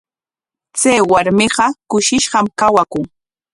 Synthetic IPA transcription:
t͡sajwaɾmɪɢɑkʊʃɪʃɢɑmkawakʊŋ

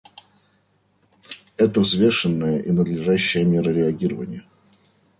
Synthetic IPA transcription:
ɛt̪əvzvʲe̞ʂɨnːəjəʔinəd̪lʲɪʐæɕːɪjəmʲeɾəɾʲɪɐɡʲiɾəvənʲɪjə

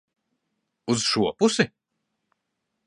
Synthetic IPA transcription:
uz̥ʃuɔpusi

